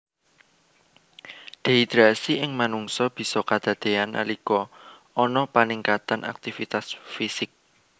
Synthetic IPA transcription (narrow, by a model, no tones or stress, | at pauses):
d̪̥e̤id̪ɾasiʔɪŋmanuŋsɔb̥i̤sɔkad̪̥ä̤d̪̥e̤anʔa̰likɔ | ɔnɔpaniŋkat̪anʔa̰k̚t̪ifit̪asfisɪk̚